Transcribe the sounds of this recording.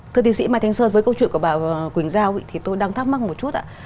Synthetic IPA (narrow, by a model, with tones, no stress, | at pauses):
t̪ʰɨ˧ət̪i˨˦sḭ˧˥maː˧jt̪ʰŋsəː˧nvəː˨˦kə˧wt͡ɕwḭ˧˨nku˧˩əɓaː˧˩˨kwï˧˩ŋ̟zaː˧˩wḭ˧˨t̪ʰi˨˩t̪o˧jɗa˧ŋt̪ʰa˦˥p̚ma˦˥k̚mo˨˩t̚t͡ɕu˦˥t̚ʔa̰ː˧˨˧